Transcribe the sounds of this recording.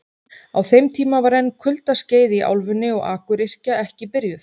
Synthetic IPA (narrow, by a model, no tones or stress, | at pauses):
awθejmt̪ʰiːmavaɾɛnːkʰʏlt̪asceːjðɪiʔa̰wlvʏnːɪɔɣaːkʏɾɪr̥caɛhcɪpɪɾjʏθ